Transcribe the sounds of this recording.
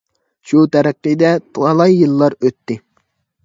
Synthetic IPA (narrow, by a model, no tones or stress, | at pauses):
ʃut̪ʰæɾɨqːɨjd̪ɛt̪ʰʊɑlˠɑjːɨlˠːɑɾøt̪ːɪ